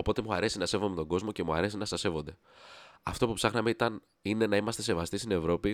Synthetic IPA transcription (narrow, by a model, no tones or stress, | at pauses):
o̞po̞t̪e̞muɐɾe̞sinɐse̞vo̞met̪o̞ɡo̞zmoce̞muɐɾe̞sinɐsɐsevo̞nd̪e̞ | ɐft̪o̞pupsɐxnɐme̞it̪ɐn | ine̞nɐimɐst̪e̞se̞vɐst̪ist̪ine̞vɾo̞pi